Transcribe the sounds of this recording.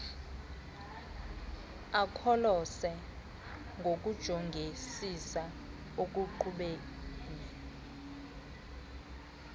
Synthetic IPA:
akʰɔlɔsɛ | ŋɡʱok̬ʼud̥ʒ̥ʱɔŋɡʱesisa | ok̬ʼuǃʰuɓek | iːnɛ

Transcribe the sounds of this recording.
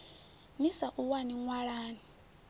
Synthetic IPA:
misaʔuwaniŋwaɺaːni

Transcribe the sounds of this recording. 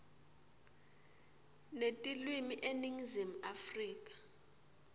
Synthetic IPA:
netʼilwimiʔeniŋzim̩afriːk̬ʼḁ

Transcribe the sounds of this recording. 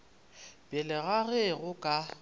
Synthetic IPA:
b̥jɛlɪɣaɣeɣʊkʼa

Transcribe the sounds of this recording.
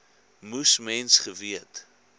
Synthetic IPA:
musmɛnsχəviət

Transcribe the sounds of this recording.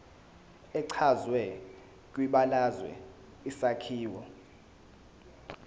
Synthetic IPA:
ɛǀʰazwɛ | k̬ʼwiɓalazwɛ̰ | isakʰiːwɔ

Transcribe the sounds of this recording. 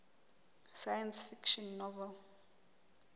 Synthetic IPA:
sajãnsfikʃɔ̃nːɔvɛl

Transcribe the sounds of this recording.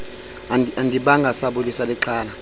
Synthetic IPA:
aandʱiɓaŋɡʱasaɓulisalɛǁʰaːla

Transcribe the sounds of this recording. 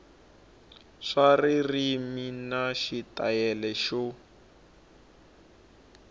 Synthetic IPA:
ʂaririminaʃitajɛlɛʃɔ

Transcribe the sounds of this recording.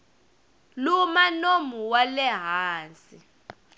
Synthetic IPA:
lumanomuwalɛɦaːnsi

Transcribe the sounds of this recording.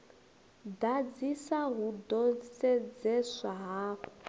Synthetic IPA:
dad͡zisaɦudɔsɛd͡zɛsaɦaːk

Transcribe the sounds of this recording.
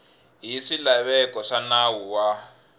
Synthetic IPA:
ɦiʂilaβɛkɔʂanawuwa

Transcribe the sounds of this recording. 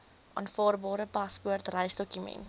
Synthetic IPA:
ʔɑ̰ːnfɑːrbɑːɾəpɐspuərtrəjsdɔkymɛ̰nt

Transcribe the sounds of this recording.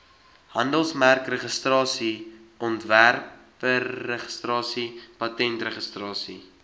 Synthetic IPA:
hɐndəlˠsmærkrəχəstrɑːsiʔɔntværpəːəχə̥strɑːsipɐtɛntrəχəstrɑːsḭ

